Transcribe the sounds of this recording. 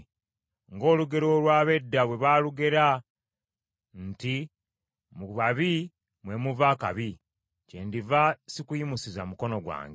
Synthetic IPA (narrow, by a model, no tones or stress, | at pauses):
ŋɡo̞ːluɡe̞ɾo̞ːlwaːβe̞dːaβwe̞βaːluɡe̞ɾa | nti | muβaβi | mwe̞muvaka̰βi | cendivasikujimusiza̰muko̞no̞ɡwa̰ːŋɡ